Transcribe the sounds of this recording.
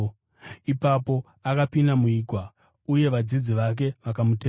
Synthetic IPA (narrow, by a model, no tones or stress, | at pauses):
ipapo̞ | akapindamuiɡʱwa | uje̞ʋad͡zid͡ziʋak̬e̞ʋakamute